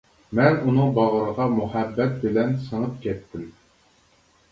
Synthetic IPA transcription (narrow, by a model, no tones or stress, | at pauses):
mɛnunɨŋbɑʁəɾəʁɑmuhæbːɛt̪̚bɪlɛnsəɴəp̚kʲʰɛt̪ʰːɪm